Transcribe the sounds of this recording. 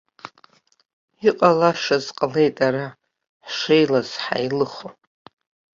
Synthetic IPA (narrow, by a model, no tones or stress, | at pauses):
iqʼalaʂazqʼle̞jtʼaɾa | ħʂejlaz̥ħa̰jlɨχo